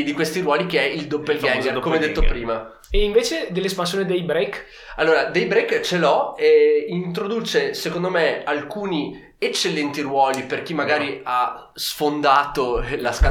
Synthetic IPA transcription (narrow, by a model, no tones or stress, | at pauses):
d̪ikwest̪iɾwɔːlik̟eɛild̪opːelɡɛŋɡekomeɛd̪ːet̪ːopɾiːma | eiɱveːt͡ʃed̪elːespans̬joːned̪ejbɾejk | alːoːɾad̪ejbɾejkt͡ʃelɔeint̪ɾod̪uːt͡ʃesekond̪omealkuːni | et͡ʃːelːɛnt̪irɾwɔːliperk̟imːaɡaːɾia | sfond̪aːt̪olaska